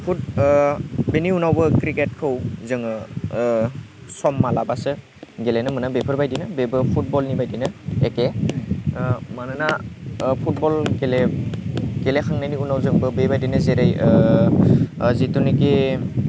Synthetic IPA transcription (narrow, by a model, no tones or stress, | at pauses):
pʰut̚ | beniunawbɯkɾiket̚kʰɯwzɯŋ | sɔmːalabasɯ | ɡelenɯmɯnabepʰɯɾbajdinɯbebɯpʰut̚bɔlnibajdinɯeke | manɯnapʰut̚bɔlɡele | ɡelekʰaŋnajniunawzɯŋbɯbebajdinɯzeɾaj | zitunike